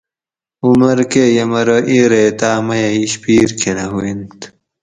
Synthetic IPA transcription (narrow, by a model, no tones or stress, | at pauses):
umɐɾkejɐmɐɾoʔiːɾet̪aːmɐjɐiɕpiːɾkʰenɐɦuint̪